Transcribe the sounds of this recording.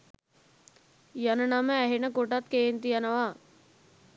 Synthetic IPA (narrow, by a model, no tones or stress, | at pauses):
janənaməæɦenəkoʈat̪̚keːnt̪ijanəʋaː